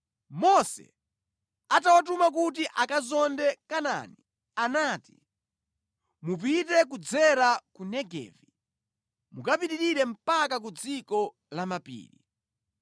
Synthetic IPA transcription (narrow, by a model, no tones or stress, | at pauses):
mɔsɛ̰ | atawat̬umak̬ut̬iʔakazɔndɛkana̰ːni | anaːti̥ | mup̬itɛkud͡zɛɾakunɛɡɛ̰ːvi | mukapiɾiɾiɾɛm̩pak̬ak̬ud͡zikɔ | lamapḭːɾi